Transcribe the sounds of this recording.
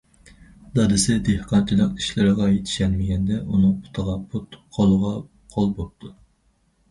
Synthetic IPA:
d̪ɑd̪ɨsɪd̪ehqʰɑnt͡ʃʰilˠəqi̥ʃlɪɾəʁɑjet̪ʰɪ̥ʃɛnmɪɡʲɛnd̪ɛunɨŋu̥t̪ʰəʁɑpʰut̪qʰolˠʊʁɑ | qʰolˠbop̚t̪ʰu

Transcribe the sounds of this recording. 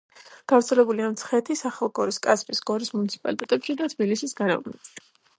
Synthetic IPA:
ɡ̥avɾt̪sʰɛlɛbuliamt̪sʰχɛt̪ʰisaχɛlˠɡɔɾiskʼaspʼisɡɔɾismunit̪sʰi̥pʼa̰lit̪ʼɛt̪ʼɛpʃid̪at̪ʰbilisisɡaɾɛ̰bnɛpʃi̥

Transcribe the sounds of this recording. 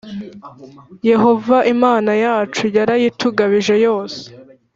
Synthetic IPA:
je̞ho̞vaʔimaːnajaːt͡ʃujaɾajituɡaβiʒe̞jo̞ːse̥

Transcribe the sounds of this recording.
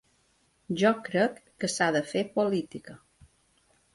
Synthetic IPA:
ʒɔkɾəkːəsaðəfepolit̪ikə

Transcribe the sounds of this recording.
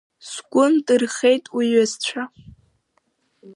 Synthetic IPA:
sɡ̥ʷʊndʼɨrχejtʼwiɥazt͡ɕʷʰa

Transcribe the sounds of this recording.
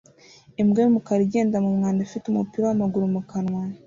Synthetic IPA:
imɡemukaɾiɟe̞ːndamumŋaːndafitumupiɾawamaɡuɾumukanwa

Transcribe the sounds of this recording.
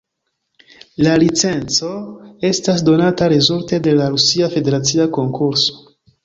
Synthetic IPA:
lalit͡se̞nt͡so̞e̞stas̬do̞nataɾezulte̞de̞laɾusiafe̞de̞ɾat͡siako̞ŋkʰuɾso̥

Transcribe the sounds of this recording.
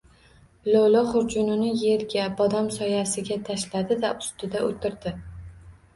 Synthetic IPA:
lowlˠɒχʊɾd͡ʒʊnɪnɪje̞ɾɡʲabɒd̪amsɒjasɪɡʲat̪ʰaʃlad̪ɪd̪aʔʊst̪ɪd̪aʔot̪ʰɪɾd̪ɪ

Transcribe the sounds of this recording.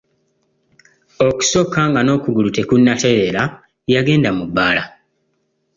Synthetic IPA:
o̞ku̥so̞kːaŋɡano̞ːkuɡulute̞kunːate̞ɾela | jaɡe̞ːndamubːaːla

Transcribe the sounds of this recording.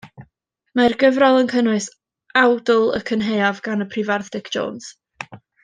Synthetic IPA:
marɡəvrɔlˠənkʰənʊɨs | awdʊlˠə̰kʰənɦejavɡanəpʰrivarθd̥ɪkd͡ʒo̰ːns

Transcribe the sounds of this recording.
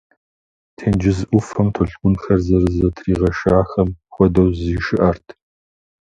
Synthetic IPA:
tʰeːnd͡ʒɪzʔʷʊfɐmtʰɔɬɡʷʊnxɐrzɐrɨzɐtʰriːʁɐʃaːxɐmxʷɔdɐwziːʃɨʔɐrtʰ

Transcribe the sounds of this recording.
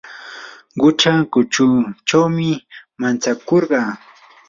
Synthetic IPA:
ɢʊʈ͡ʂakʊt͡ʃʊt͡ʃawmɪmant͡sakoɾɢɑː

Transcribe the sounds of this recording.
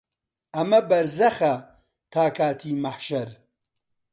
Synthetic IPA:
ɐmɐbɐɾzɐxɐ | t̪ʰaːkʰaːt̪ʰiːmɐħʃɐɾ

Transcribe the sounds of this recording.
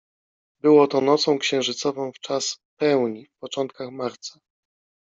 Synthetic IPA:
bɘwɔt̪ɔnɔt̪sɔ̃w̃kɕɛ̃w̃ʐɘt̪sɔvɔ̃w̃ft͡ʂaspɛwɲifpɔt͡ʂɔnt̪̚kaxmaɾt̪sḁ

